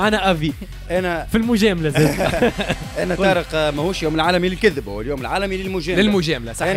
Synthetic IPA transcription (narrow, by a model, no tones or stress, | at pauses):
ʕanæʔæviː | ʔænæfilmʊʒɛːmlæzæː | ʔænæt̪ɑːɾəqmæhuːʃjuːmɪlʕaːlæmilɪlkɪðbhʊwæljuːmɪlʕaːlæmilɪlmʊʒæːlɪlmʊʒɛːmlasˤɑħ